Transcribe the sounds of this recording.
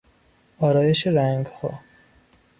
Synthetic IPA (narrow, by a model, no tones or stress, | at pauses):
ɒːɾɒːje̞ʃeɾæŋɡhɒ̰ː